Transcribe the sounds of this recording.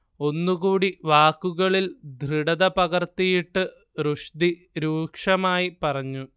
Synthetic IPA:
o̞nːuɣuːɽiʋaːkːuɣɐɭild̪ʱriɽɐðɐpɐɣɐrt̪ijiʈːɨ | ruʂd̪i | ɾuːkʂɐmaːjipɐrɐɲːu

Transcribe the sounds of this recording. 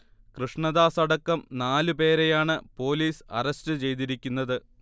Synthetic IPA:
krɨʂɳɐðaːsɐɽɐkːɐmnaːlɨpe̞ːɾejaːɳɨpo̞ːliːsɐ̰rɐstɨt͡ɕe̞jt̪iɾikʲːunːɐðɨ

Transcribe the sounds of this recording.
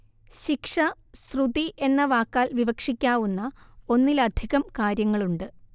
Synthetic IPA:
ɕikʂɐ | srud̪iʔe̞nːɐʋaːkːaːlʋiʋɐkʂikʲːaːʋunːɐo̞nːilɐd̪ʱiɣɐmkaːɾjɐŋːɐɭuɳɖɨ

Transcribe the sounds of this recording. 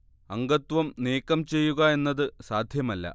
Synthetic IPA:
ɐŋɡɐt̪ʋɐmneːkːɐmt͡ɕe̞jːuɣɐe̞nːɐðɨsaːd̪ʱjɐmɐlːɐ̰

